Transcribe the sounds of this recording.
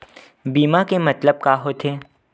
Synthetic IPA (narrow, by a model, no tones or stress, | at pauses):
biːmakemɐt̪ləb̚kaːɦot̪ʰeː